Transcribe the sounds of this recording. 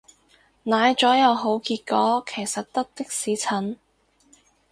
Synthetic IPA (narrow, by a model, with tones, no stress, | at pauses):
naː˨˧jt͡ʃɔː˨˥jɐ˨˧wɦo˨˥wkiː˧t̚kɔː˨˥kʰe˨˩jsɐ˨t̚t̪ɐ˥k̚t̪ɪ˥k̚siː˨˥t͡sʰɐ˨˥n